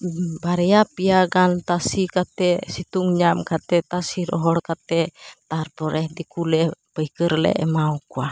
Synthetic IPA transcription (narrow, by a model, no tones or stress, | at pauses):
baɾɛapiaɡant̪asikat̪ɛsit̪uŋɲamkat̪ɛt̪asiɾɔ̰ɦɔɽkat̪ɛt̪arpɔɾɛhdikulɛpəikəɾlɛ̰ʔmaukua